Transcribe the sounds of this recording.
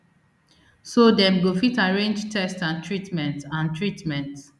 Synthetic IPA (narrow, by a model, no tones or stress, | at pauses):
sodɛ̃mɡofitaɹẽnd͡ʒtʰɛstãntʰɹitmɛ̃ntãntʰɹitmɛ̃nt